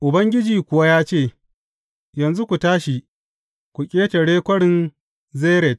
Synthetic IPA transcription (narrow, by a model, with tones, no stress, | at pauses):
ʔʊ˨bɐ˦ŋɡʲɪ˦d͡ʒiː˨kʷʊ˨wa˦jaː˦t͡ʃeː˦˨ | jɐ˨nzu˦kʷu˨taː˦ʃi˨ | kʷu˨kʲʼeː˦te˨ɽeː˦kʷɐ˦ɽɪ˨n | zeː˦ɾɛ˨t̚